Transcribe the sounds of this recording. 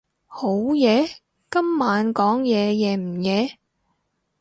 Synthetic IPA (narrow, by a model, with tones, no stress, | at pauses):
ho˨˥wjɛː˨˧ | kɐ˥mːaː˨˧nkɔː˨˥ŋjɛː˨˧jɛː˨˩m̩˨˩jɛː˨˧